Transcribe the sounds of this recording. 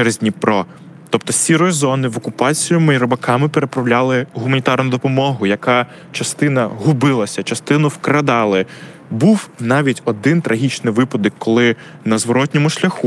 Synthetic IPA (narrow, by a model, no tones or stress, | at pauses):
ɾɪzʲnʲipɾɔ | t̪ɔp̚t̪ɔsʲiɾɔjzɔnɪʋɔkʊpɑt͡sʲijʊmɪiɾɔbɐkɑmɪpeɾepɾɐwlʲalˠɪɦʊmɐnʲit̪ɑrnʊd̪ɔpɔmɔɦʊjɐkɑ | t͡ʃɐst̪ɪnɐɦʊbɪlˠɐsʲɐt͡ʃɐst̪ɪnʊwkɾɐd̪ɑlˠɪ | buwnɑʋʲitʲɔd̪ɪnt̪ɾɐɦʲit͡ʃnɪʋɪpɔd̪ɔkːɔlˠɪ | nɐzʋɔɾɔt̪̚ʲnʲɔmʊʃlʲɐxu